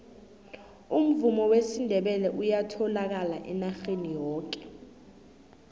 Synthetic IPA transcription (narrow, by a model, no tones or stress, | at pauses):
um̩vumɔwesindʱɛɓɛlɛʔujatʰɔlak̬ala̰ʔɛnaxenijɔːk̬ɛ̥